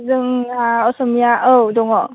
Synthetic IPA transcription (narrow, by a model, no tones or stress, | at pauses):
zəŋaɔsəmiaʔədʊŋɔ